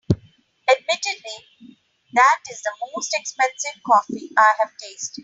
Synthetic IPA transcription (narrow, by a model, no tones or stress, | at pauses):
əɖ̚mɪʈɪɖli | d̪æʈɪzd̪əmoːsʈɛkspɛ̃nsɪʋkɔːfiʔaɪɦəʋʈeːsʈ